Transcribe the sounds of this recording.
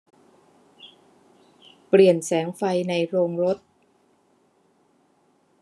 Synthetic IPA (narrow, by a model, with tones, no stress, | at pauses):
pli˨˩ənsɛː˩˦ŋfa˧jna˧jɾoː˧ŋɾo˦˥t̪̚